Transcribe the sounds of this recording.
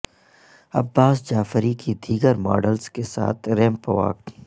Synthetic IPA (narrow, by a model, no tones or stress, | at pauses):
ɐbːaːsd͡ʒaːfɾikid̪ʱiːɡəɾma̰ːɖəlzkesa̰ːt̪ʰɾɛ̃ːmpəʋa̰ːk